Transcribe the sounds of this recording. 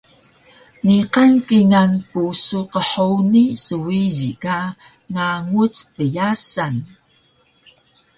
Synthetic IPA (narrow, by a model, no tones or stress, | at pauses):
niqankiŋanpusuqəħonisəwizika | ŋaŋut͡spəjasan